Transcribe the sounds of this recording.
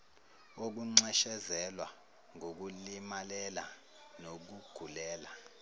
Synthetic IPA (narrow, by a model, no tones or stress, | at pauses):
ok̬uŋ͡ǀɛʃɛzɛlwa | ŋʱok̬ulimalɛla | nok̬uɡ̥ʱulɛːla